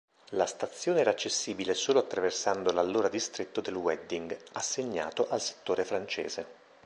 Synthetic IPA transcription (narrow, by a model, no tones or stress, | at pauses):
last̪at̪sːjoːneɛːɾat͡ʃːesːiːbilesoːloat̪ːɾaversand̪olalːoːɾad̪ist̪ɾet̪ːod̪elwɛd̪ːiŋɡasːeɲːa̰ːt̪oʔalse̥t̪ːoːɾefɾant͡ʃḛːze